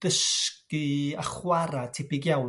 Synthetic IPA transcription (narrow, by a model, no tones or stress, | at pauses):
d̥əskiaχwaɾatʰɪpɪɡjaw